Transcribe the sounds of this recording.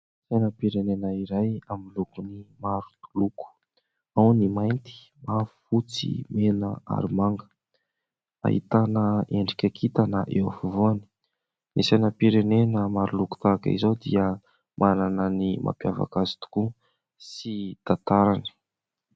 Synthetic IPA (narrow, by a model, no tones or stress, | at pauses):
sejnəpiɾenenaiɾajamilukunimaɾu̥t̪u̥luku̥ | awnimajnt̪i̥ | mavufut͡sḭmenəa̰ɾimaŋɡə̥ | a̰ɦḭt̪anəeɳɖ͡ʐikʲakʰit̪anəʔewafuvuani̥ | nisenəpiɾenenəmaɾuluku̥t̪akaḭzod̪iə | mʔanananimʔa̰mpiava̰kazi̥t̪u̥ku | sid̪̥at̪aɾani̥